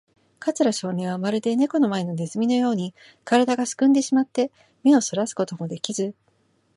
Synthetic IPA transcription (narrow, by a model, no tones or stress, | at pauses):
kat͡sɨɾaɕo̞ːn̟ʲĩamaɾɯ̟d̪e̞ne̞ko̞no̞mae̞no̞ne̞zɨmʲino̞jo̞ːɲ̟i | kaɾad̪aɡasɨ̥kɯ̟̃nd̪e̞ɕimat̪ːe̞ | me̞o̞so̞ɾasɨ̥ko̞t̪o̞mo̞d̪e̞kʲizɨ